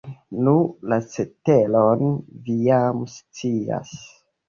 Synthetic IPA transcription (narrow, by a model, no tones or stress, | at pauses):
nulasetelonvijamst͡sia̰s